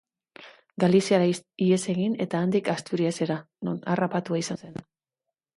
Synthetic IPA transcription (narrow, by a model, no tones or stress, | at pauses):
ɡalisiaɾaie̞se̞ɣine̞t̪aːnd̪ikast̪uɾiase̞ɾa | nona̰rapat̪uaisanse̞n